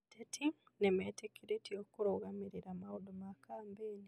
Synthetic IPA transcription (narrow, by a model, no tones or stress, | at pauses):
tetʰinemetekiɾetiokuɾoɣamiɾiɾamaudumakaːmbeːni